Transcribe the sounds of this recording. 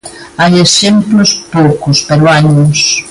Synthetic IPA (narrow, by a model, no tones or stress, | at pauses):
ajesemplʊspowkʊspeɾʊaɲʊs